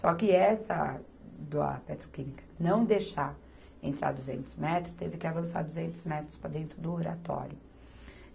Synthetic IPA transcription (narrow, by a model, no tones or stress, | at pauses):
sɔkɪɛsɐ | d̪ɐ̰pet̪ɾokĩmikɐ̥nɐ̃w̃d̪eʃaɾ | ẽnt̪ɾa̰ɾd̪uzḛ̃nt̪ʊzmɛt̪ɾʊt̪evɪkɪavɐ̃sa̰ɾd̪uzẽnt̪ʊzmɛt̪ɾʊspɾɐd̪ẽnt̪ɾʊd̪ʊoɾat̪ɔ̰ɾjʊ